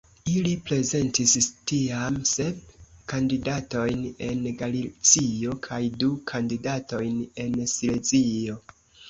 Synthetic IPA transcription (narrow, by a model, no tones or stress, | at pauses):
ilipɾe̞ze̞ntistiamse̞b̚kandidato̞jne̞nɡalit͡sio̞kʰajdukʰandidato̞jne̞nsilezio̞